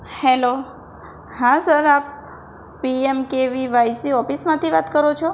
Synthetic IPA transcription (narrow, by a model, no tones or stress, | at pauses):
hɛlo | hãsəɾap̚ | piemkeʋiʋajsiɔfismãt̪ʰiʋat̪kəɾot͡ʃʰo